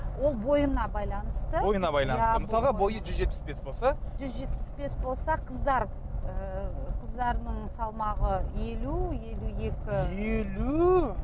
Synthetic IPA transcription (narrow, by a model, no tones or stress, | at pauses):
wo̞lˠbo̞jənɑbɑjlˠɑnəst̪əbo̞jənɑbɑjlˠɑnsəməssɑlˠʁɑbo̞jəʒʏzʒepɪsbe̞sbo̞lˠsɑʒʏzʒe̞t̪̚pɪ̥sbe̞sbo̞lˠsɑqʰəzd̪ɑɾ | əqʰəzd̪ɑɾnəɴsɑlˠmɑʁəje̞luje̞lue̞kʲɪelu